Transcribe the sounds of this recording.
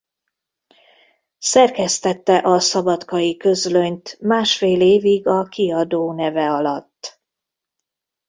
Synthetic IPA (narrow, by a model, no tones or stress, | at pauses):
sɛrkɛst̪ɛt̪ːɛʔɒsɒbɒt̪kɒjikøzløɲt̪maːʃfeːleːviɡɒkiɒd̪oːnɛvɛɒlɒt̪ː